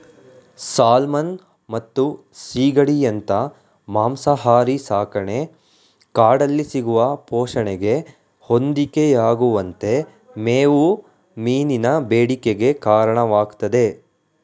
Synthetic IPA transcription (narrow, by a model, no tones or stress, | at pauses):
saːlmɐn | mɐt̪ːu | siːɡɐɽijɐnt̪ɐ | maːmsɐɦaːɾisaːkɐɳe̞ | kaːɖɐlːisiɡuʋɐpɔːʃɐɳɛɡe̞ | ho̞nd̪ikejaːɡuʋɐnt̪e̞ | meːʋu | miːninɐbeːɽikeɡe̞kaːɾɐɳɐʋaːɡt̪ɐd̪e̞